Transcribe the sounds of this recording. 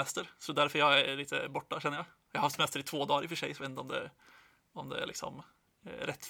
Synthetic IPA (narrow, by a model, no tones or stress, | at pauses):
ɛst̪əɾsɔd̪æɾfɔɾjææliːt̪ʰːə̰bɔʈːɑʃɛnːəjæɪ | jæɪhɑɾhɑft̪sɛmɛst̪əɾɪt̪ʰvoːd̪ɑːɾɪfɔʂɛ̰ɪsɔʋɛnt̪ɔmd̪ɛ̰ | ɔmd̪ɛ̰æ̰lɪ̰ksɔ̰m | ɾɛt̪ː